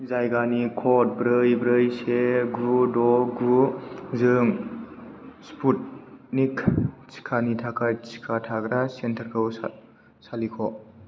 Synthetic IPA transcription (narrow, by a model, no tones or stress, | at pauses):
zajɡanikʰɔt̚bɾɯjbɾɯjseɡɾudɔɡɾuzɯŋ | spʰut̚nikʰt͡ʃi̥kʰanitʰakʰajt͡ʃi̥kʰatʰaɡɾasentʰɐɾkʰɯw | salikʰɔ